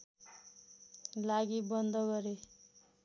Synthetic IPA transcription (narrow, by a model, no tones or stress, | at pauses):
laɡibʌnd̪ʌɡʌɾe